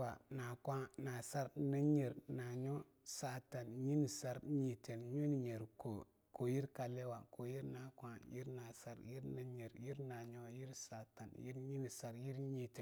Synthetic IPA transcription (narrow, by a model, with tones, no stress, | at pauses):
a˨na˨kʷa˦na˨sa˦ɾna˦ɲe˨ɾna˨ɲo˦ | sa˨ta˨nɲi˦ni˨sa˦ɾɲi˨te˨nɲo˦ni˨ɲe˨ɾko˨ | ko˨ji˦ɾka˨le˦wa˨ko˨ji˦ɾna˨kʷa˦ji˦ɾna˨sa˦ɾji˦ɾna˦ɲe˨ɾji˦ɾna˨ɲo˦ji˦ɾsa˨ta˨njḭ˦ɾɲi˦ni˨sa˨ɾji˦ɾɲi˨te˨